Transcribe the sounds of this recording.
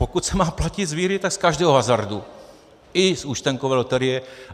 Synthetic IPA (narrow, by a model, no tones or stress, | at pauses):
pokut̪sɛmaːplacɪzʋiːɾɪt̪akskaʒdɛːɦɔɦazaɾdu | ɪsuʃt̪ɛŋkovɛːlot̪ɛɾɪjɛ